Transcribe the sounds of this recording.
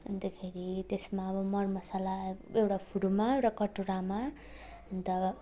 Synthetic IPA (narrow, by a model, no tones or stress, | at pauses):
end̪ʌkʰeɾit̪esmaʌbʌmʌrmʌsalaewɽapʰuɽumawʈakʌʈuɾama | ʌnt̪ʌ